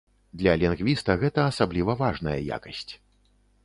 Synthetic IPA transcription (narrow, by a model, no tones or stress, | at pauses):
d̪lʲɐlʲinɣvʲist̪ɐɣɛt̪ɐːsablʲivɐvaʐnɐjɐ̰ja̰kɐsʲt͡sʲ